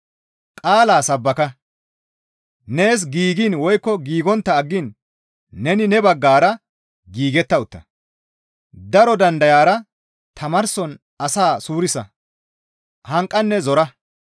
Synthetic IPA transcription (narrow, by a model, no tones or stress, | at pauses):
kʼaːlaːsɐbːɐkɐ | ne̞ːs̬ɡiːɡinwɔjkːɔɡiːɡɔnt̪ːɐːɡːɪnː | ɛnɪnɛbɐɡːaːɾɐ | ɡiːɡɛt̪ːɐʊt̪ːɐ | d̪ɐɾɔd̪ɐnd̪ɐjaːɾɐ | t̪ʰɐmɐɾsɔn | ɐsaːsuːɾɪsɐ̰ | hɐŋkʼːɐnːɛzɔɾɐ